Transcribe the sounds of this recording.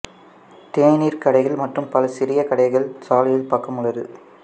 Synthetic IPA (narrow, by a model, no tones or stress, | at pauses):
t̪eːniːɾkɐɽɐɪɣɐɭmɐʈrɯmpɐlɐsɪɾɪjɐkɐɽɐɪɣɐɭsaːlɐjɪlpɐkːɐmɯɭɐɾɯ̰